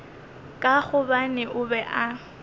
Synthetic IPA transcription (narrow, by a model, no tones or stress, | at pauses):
kʼaɣʊbanɪʔʊbɛʔa